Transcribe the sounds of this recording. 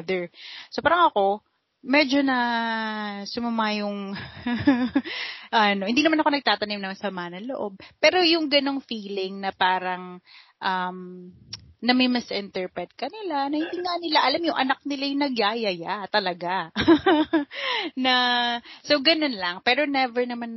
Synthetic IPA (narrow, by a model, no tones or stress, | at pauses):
d̪ɛɹsopaːɾɐŋɐko̞ | mɛd͡ʒo̞nɐ | sʊmɐmajʊŋ | ʔɐnohɪnd̪iːnɐmanɐko̞nɐɡ̚t̪aːt̪ɐnɪmnɐŋsɐmanɐŋlo̰ʔo̞b̚pɛːɾo̞jʊŋɡɐno̞ŋfiːlɪŋnɐpaːɾɐŋʔɐm | nɐmɛmɐsʔɛnt̪ɛɹpɹɛt̪̚kɐnɪlanɐhɪnd̪iŋanɪlaʔɐlamjʊŋʔɐ̰nak̚nɪlajnɐɡjajɐjat̪ɐlɐɡa | nɐso̞wɡɐno̞nlɐŋpɛːɾo̞nɛvɛɹnɐman